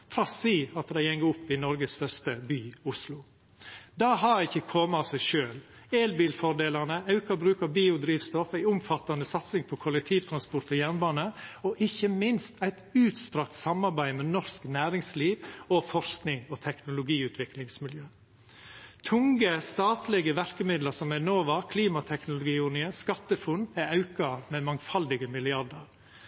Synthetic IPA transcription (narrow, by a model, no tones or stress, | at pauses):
fɾɑsiːɑt̪d̪æɪɛŋːəʊpːɪnɔɾɡəst̪œɾst̪əbyːʊslʊ | d̪ɑːɦɑɾɪçːəkʰoːməɑʋsæɪʃøːl | eːlbiːlfɔɾd̪eːlɑɾnəɑʉkɑbɾʉːkəɾbiːʊd̪ɾiːʋst̪ɔfæɪʊmfɑt̪ːɑnəsɑt̪sɪŋpʰɔkʰʊlɛk̚t̪ʰiːʋt̪ʰɾɑnspʊɾʈt̪ɔjæɾnbɑːnəɔʔɪçəmɪnst̪æɪt̪ʉːt̪st̪ɾɑk̚t̪sɑmːɑɾbæɪmɛnɔsknæːɾɪŋsliːʋɔfɔsknɪŋɔt̪ʰɛknʊlʊɡiːʉːt̪ʰʋɪklɪŋsmɪljøː | t̪ʰʊŋɡəst̪ɑːt̪lɪɡəʋæɾkəmɪd̪ləɾsɔmæɪnoːʋɑːɾkʰliːmɑt̪ʰɛknʊlʊɡiːʊnɪəskɑt̪ːəfʊnæɑʉkɑmɛmɑŋfɑld̪ɪɡəmɪlɪɑɾɖəɾ